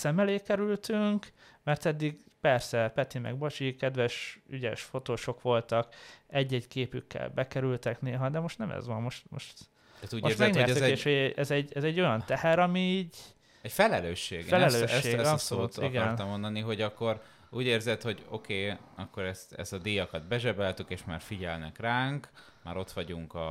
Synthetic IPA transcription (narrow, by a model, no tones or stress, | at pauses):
sɛmɛleːkɛɾylt̪yŋk | mɛrt̪ɛd̪ːiɡpɛrsɛpɛt̪imɛ̰ɡbot͡ʃikɛd̪ʋɛʃyɟɛ̰ʃfo̞t̪oːʃo̞kʋo̞lt̪ɒkɛɟːɛɟkeːpykʰːɛ̰lbɛkɛɾylt̪ɛkneːlɦɒd̪ɛmo̞ʃt̪nɛmɛ̰zʋɒmmo̞ʃt̪mo̰ʃt̪ | at̪uːɟmoeːɾzmɛɡɲɲɛrɛyeːʃʃhoɛɛzɛɟɛzɛɟːo̞jɒnt̪ɛhɛɾɒmiiːɟ | ɛcfɛlɛløːʃːeːɡfɛlɛløːʃʃeːɡɒsolut̪iɡɛɾnɔmːond̪ɒniɦo̞ɟɒkːo̞ɾ | uːɟeːrzɛt̪ho̞ɟo̞̰keːɒkːo̞ɾɛst̪ɛ̰st̪ɒd̪iːjɒkɒd̪bɛʒɛbɛlt̪ykeːʃma̰ːrfiɟɛlnɛkraːŋk | ma̰ːɾo̞t̪ʋɒɟuŋkɒ